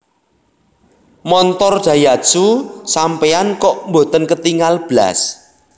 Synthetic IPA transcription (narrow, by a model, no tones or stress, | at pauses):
mɔnt̪ɔrɖ̥ä̤jasusampeankɔʔmbo̤t̪ənkət̪iŋalb̥la̰s